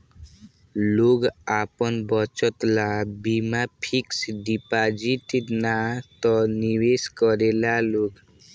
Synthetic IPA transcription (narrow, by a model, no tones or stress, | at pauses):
loɡapɔnbɔt͡ʃɔt̪labimapʰiksɖipad͡ʒiʈnat̪ɔniweskɔɾelaloɡ